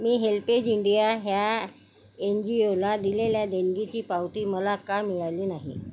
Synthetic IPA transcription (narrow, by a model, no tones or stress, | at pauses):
miːɦelped͡ʑiɳɖijaɦja | end͡ʑiolad̪ileljad̪eŋɡit͡ɕiːpawt̪iːməlakamiɭaliːnaɦḭ